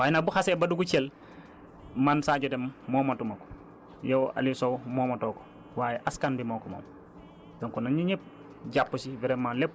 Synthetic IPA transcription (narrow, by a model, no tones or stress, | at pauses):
waːjɛnabuxasebɐduɡut͡ʃel | mansaːɟɐdemːɔːmɐtumɐkɔ̥ | jowa̰lisowmɔːmɐtɔːkɔ̥ | waːjɛʔaskanbimɔkɔmo̰m | dɔŋkɔnaɲiɲɛp̚ | ɟapːusivɛɾɛmalepː